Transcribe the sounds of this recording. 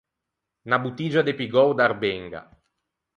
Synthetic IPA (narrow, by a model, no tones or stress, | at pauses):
nabut̪id͡ʒad̪epiɡɔwd̪aɾbɛŋɡa̰